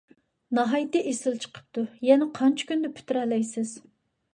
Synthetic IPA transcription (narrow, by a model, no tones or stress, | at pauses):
nɑɦɑjt̪ɪʔesɪlt͡ʃʰə̥qʰə̥p̚t̪ʰujɛnɛqʰɑnt͡ʃʰi̥kʲynd̪ɛpʰy̥t̪yɾɛlːɛjsɪz̥